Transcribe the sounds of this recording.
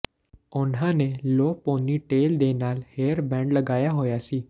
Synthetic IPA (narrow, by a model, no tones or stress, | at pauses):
ʊnɦãneloːpoːniʈeːld̪eːnaːlheːəɾbɛ̃ːɳɖlɐɡaːjaɦoːjasiː